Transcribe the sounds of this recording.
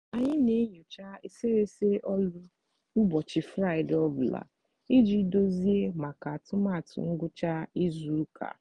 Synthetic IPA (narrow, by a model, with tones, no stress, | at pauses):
a˨ɲɪ˦ne˨˦ɲo˨t͡ʃa˦e˦se˦ɾe˦se˦ʔɔ˦lʊ˦ | u˦bɔ˨t͡ʃɪ˨fɾa˦ɪ˨dɔ˦bla̰˨ | i˦d͡ʒi˦do˦zi˦e˦ma˨ka˨a˨tʊ˦ma˦˨tʊ̰˨ŋ̩˦ɡʊ˦t͡ʃa˦i˦zu˦kʰa̰˨